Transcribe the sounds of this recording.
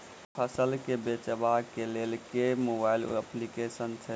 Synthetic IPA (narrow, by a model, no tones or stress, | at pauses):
pʰəsəlkebet͡ʃəbakelelkemobailəplikesənt͡ʃʰɛ